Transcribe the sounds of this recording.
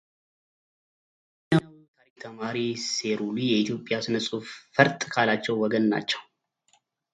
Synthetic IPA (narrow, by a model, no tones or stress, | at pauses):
at̪ʰaɾik̚t̪ʰəmaɾiseɾulijɛʔit̪jo̞pʼːjasɨnəsʼuffəɾt̪ʼkʰalat͡ʃːɛwːɔɡənːa̰t͡ʃːɛw